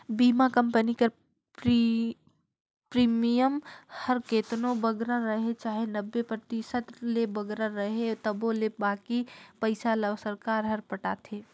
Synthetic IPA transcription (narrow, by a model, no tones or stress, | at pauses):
biːmakəmpənikəɾ | pɾi | pɾiːmijəmhəɾkeːt̪nobəɡɾaɾəɦet͡ʃaːɦenəbːepɾət̪iʃət̪lebəɡɾaɾəɦet̪əbolebaːkipəɪsaləsəɾkaːɾɦəɾpəʈaːt̪ʰeː